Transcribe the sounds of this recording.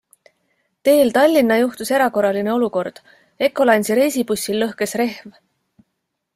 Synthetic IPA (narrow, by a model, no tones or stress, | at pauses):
t̪e̞ːlt̪ɑlʲːinːɑjuht̪use̞ɾɑko̞rɑline̞o̞luko̞rd̪̥ | e̞kːˑo̞lɑjnʲsiɾe̞jsipusʲːilːɤhke̞sre̞hv